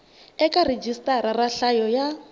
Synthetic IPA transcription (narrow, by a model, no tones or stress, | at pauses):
ɛkʼared͡ʒistʼaɾaraɬajɔja